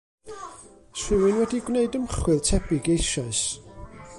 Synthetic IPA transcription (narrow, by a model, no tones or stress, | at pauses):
swɪwɪnwɛdiɡwneɨdəmχwɨðtʰɛbɪɡejʃaɨs